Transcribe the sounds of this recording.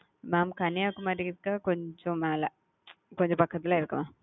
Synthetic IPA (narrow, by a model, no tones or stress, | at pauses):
maːmkɐnijaːkːumaːɾikːakoɲd͡ʑomaːlɐ | koɲd͡ʑopɐkʰːɐt̪̬ːilaːiɾɯkːumaː